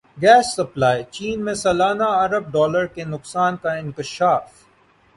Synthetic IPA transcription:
ɡɛːsːɐplaːit͡ʃiːnmẽsɐlaːnaɐɾəb̚ɖɔːləɾkenʊksaːnkaɪ̃ŋkɪʃaːf

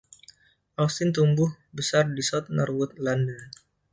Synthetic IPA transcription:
ʔawst̪ɪnt̪umbʊh | bəsardisɔt̪̚nɔrwʊt̪̚landən

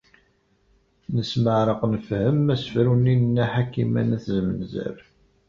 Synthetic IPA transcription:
nəsməʕɾˤəqnəfhəmːæsəfɾuninnːæħakːimæ̰næθzmənzæ̰ɾ

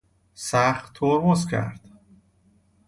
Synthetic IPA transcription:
sæχt̪ʰːoɾmozcʰæ̰ɾd̪̥

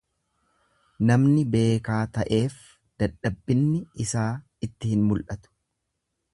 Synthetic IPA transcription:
nɐmnɪbe̞ːkaːt̪ɐʔe̞ːf | d̪̥ɐᶑːɐbːɪnːɪɪsaː | ɪt̪ːɪhɪnmʊlʔɐt̪ʊ̥

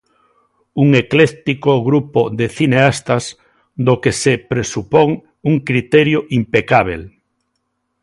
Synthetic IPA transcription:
uŋeklɛt̪ikoɣɾupoðeθineast̪ɐs | d̪okesepɾesupoŋ | uŋkɾit̪ɛɾjoʔimpekaβ̞el

